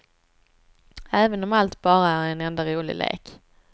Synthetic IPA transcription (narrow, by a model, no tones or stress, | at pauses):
æːvənɔmalt̪bɑːɾaæɾɛnɛnd̪aɾuːlɪ̰lḛːk